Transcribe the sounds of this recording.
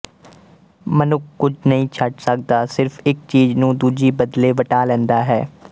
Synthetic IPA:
mənʊkːʊd͡ʒnəɦĩːt͡ʃʰəʈsək̚d̪aːsɪɾfɪk̚t͡ʃiːznũːd̪uːd͡ʒiːbəd̪leːʋəʈaːlɛ̃ːnd̪aːɦɛː

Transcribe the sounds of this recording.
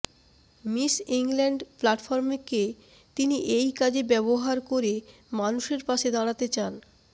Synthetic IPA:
misiŋlɛɳɖplaʈfɔɾmeke | t̪iniʔejkad͡ʑebɛboɦaɾkoɾe | manuʃeɾpaʃed̪aɽ̃at̪et͡ɕan

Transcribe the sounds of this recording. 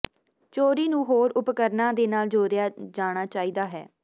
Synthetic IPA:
t͡ʃoːɾiːnũːɦoːɾʊpkəɾnãːd̪eːnaːld͡ʒoːɾɪjaːd͡ʒaːɽ̃aːt͡ʃaːiːd̪aːɦɛː

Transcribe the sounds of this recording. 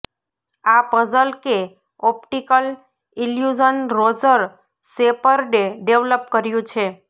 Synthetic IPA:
apəd͡ʒəlke | ɔpʈikəl | iljud͡ʒənɾod͡ʒəɾ | sepəɾɖeɖeʋləpkəɾjũt͡ʃʰe

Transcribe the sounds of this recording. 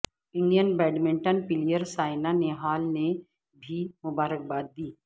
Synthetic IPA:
ɪ̃ɳɖijənbɛːɖmɪ̃ɳʈənpɪlijəɾsaːɪnaneɦaːlne | bʱimʊbaːɾək̚baːd̪̚d̪iː

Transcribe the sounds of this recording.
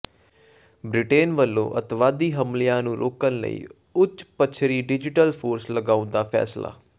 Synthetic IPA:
bɾɪʈeːnʋəlːõ̰ːʔət̪ʋaːd̪iːɦəmlijãːnũːɾʔo̰ːkənlə̰ḭː | ʊt͡ʃːpət͡ʃʰɾiːɖɪd͡ʒɪʈəlpʰoːɾsləɡaːʊ̃nd̪aːpʰɛ̰ːsla̰ː

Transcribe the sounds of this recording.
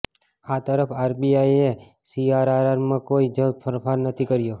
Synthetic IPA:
at̪əɾəfʰaɾbiaie | siaɾaɾaɾmãkoid͡ʒəfʰəɾfaɾnət̪ʰikəɾjo

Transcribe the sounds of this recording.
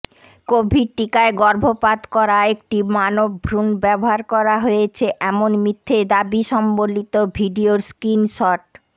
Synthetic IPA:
kobʱiɾʈːikaeɡɔɾbʱopad̪kɔɾaek̚ʈimanobbʱɾunbɛboɦaɾkɔɾaɦojet͡ɕʰeʔɛmonmit̪ʰːed̪abiʃɔmbolːit̪obʱiɖioɾskinʃɔʈ

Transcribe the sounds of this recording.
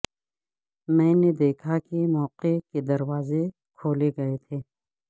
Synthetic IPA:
mɛ̃ːned̪eːkʰakimɔːqeked̪ɐɾwaːze | kʰoːleɡɐet̪ʰeː

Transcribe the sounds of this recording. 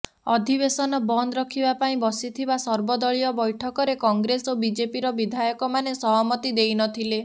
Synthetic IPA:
ɔd̪ʱibesɔnɔbɔnd̪ɾɔkʰibapaĩbɔsit̪ʰibasɔɾbɔd̪ɔɭijɔbɔjʈʰɔkɔɾekɔŋɡɾesobid͡ʒepiɾɔbid̪ʱajɔkɔmanesɔɦɔmɔt̪id̪ejnɔt̪ʰile

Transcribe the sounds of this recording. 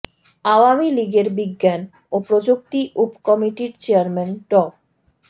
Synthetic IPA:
aoamiliɡeɾbiɡːan | opɾod͡ʑok̚t̪iʔupkɔmiʈiɾt͡ɕeaɾmanʈɔ

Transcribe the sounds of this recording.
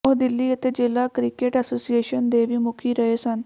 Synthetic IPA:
oɦd̪ilːiːət̪ed͡ʒelakɾikeʈəsoːsieʃənd̪eʋimukʰiɾəɦesən

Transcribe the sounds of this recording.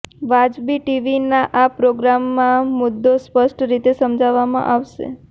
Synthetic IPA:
ʋad͡ʒbiʈiʋinaʔapɾoɡɾamːãmʊd̪ːospəʃʈɾit̪esəmd͡ʒaʋamã̰ʔaʋʃḛ

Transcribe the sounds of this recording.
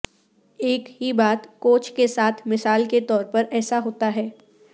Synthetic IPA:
eːkɦibaːt̪koːt͡ʃkesaːt̪ʰmɪsaːlket̪ɔːɾpɐɾɛːsaɦoːt̪aɦɛː

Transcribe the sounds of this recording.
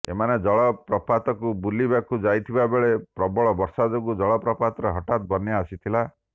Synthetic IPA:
ḛmaned͡ʒɔɭɔpɾɔpat̪ɔkubulibakud͡ʒajt̪ʰibabeɭepɾɔbɔɭɔbɔɾsad͡ʒɔɡud͡ʒɔɭɔpɾɔpat̪ɾɔɦɔʈat̪̚bɔnjaasit̪ʰila

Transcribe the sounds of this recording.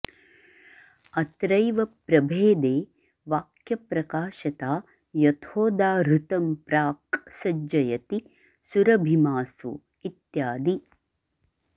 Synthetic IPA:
ɐt̪ɾɐjʋɐpɾɐbʱeːd̪eː | ʋaːkjɐpɾɐkaːʃɐt̪aː | jɐt̪ʰoːd̪aːɾut̪ɐmpɾaːksɐd͡ʒɐjɐt̪i | suɾɐbʱimaːsṵ | it̪jaːd̪i

